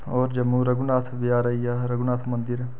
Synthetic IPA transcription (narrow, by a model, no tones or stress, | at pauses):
ɔːɾd͡ʒɐmːuɾɐɡunaːt̪ʰʋijaːɾɐijaɾɐɡunaːt̪ʰmɐ̃nd̪ɪɾ